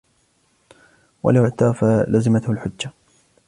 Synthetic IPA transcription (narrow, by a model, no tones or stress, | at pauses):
wa̰laʕt̪aːfalʔazɪmat̪hʊlħʊd͡ʒːa